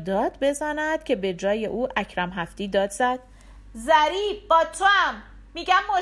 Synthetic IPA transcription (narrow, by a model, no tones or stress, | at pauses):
d̪ɒːd̪̥be̞zænæd̪̥cʰe̞be̞d͡ʒɒːjeʔuːʔæcʰɾæmɦæft̪iːd̪ɒːd̪zæd̪̥ | zæɾiːb̚bɒːt̪ʰoæmː | iːɟæmːo